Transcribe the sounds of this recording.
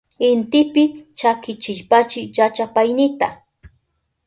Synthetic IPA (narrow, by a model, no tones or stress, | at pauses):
ɪnt̪ɪpɪt͡ʃakɪt͡ʃɪʎpat͡ʃɪjat͡ʃapajnɪt̪a